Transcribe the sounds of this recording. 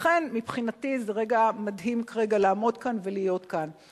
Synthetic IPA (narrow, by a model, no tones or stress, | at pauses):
χenmipχinatizeʁeɡamadɦimkaʁeɡalaːmo̞dkanvelijo̞tkan